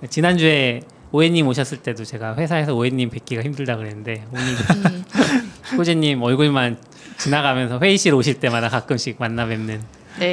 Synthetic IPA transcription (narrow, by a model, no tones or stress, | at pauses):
et͡ɕinand͡ʑue̞ | oeɲːimoɕ̬ʰʌs͈ɯɭt͈e̞dot͡ɕe̞ɡaɸwe̞sʰae̞sʰʌoeɲːimpe̞k͈iɡaçimdɯɭdaɡɯɾenɯnde̞oɲiɡa | k͈ʰod͡ʑiɲːimʌɭɡuɭman | t͡ɕinaɡamjʌns̬ʰʌɸwe̞iɕʰiɾoɕʰiɭt͈e̞madakak͈ɯmɕʰik̚manːabe̞nːɯn | ne